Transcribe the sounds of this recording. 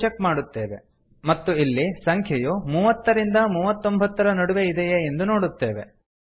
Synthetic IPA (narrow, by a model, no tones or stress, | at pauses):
t͡ʃɐkːmaːɽut̪ːe̞ːʋe | mɐt̪ːuilːisɐŋkʰjɐjumuːʋɐt̪ːɐɾind̪ɐmuːʋɐt̪ːombʱɐt̪ːɐɾɐnɐɽuʋeid̪ɛjeend̪uno̞ːɽut̪ːe̞ːʋe̞̰